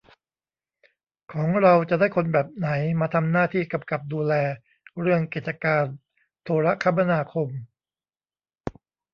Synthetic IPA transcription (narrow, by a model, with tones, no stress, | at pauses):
kʰɔː˩˦ŋɾa˧wt͡ɕa˨˩daː˥˩jkʰo˧nbɛː˨˩p̚na˩˦jmaː˧t̪ʰa˧mnaː˥˩t̪ʰiː˥˩ka˧pka˨˩p̚duː˧lɛː˧ | ɾɯ˥˩əŋkeː˨˩t̪̚t͡ɕa˧kaː˧n | t̪ʰoː˧ɾa˦˥kʰa˦˥ma˧naː˧kʰo˧m